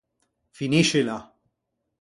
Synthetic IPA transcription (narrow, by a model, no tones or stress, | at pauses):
finiʃɪlɐ